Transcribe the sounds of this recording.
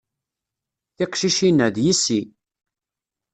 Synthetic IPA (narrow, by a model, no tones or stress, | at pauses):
θɪqʃiʃinːæðjisi